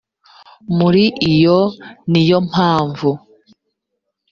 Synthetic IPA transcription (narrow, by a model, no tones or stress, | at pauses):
muɾiʔijonijom̥haːɱvu